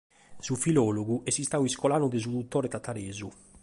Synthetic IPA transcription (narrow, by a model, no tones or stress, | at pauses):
sufilɔːloɡuʔɛsist̪awiskolanud̪ezud̪ut̪ːoːɾet̪at̪aɾeːzu